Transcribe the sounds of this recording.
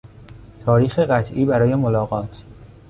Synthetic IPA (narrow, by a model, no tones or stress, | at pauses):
t̪ʰɒːɾiːxeɢæt̪ʰʔiːbæɾɒːje̞molɒːɣɒːt̪ʰ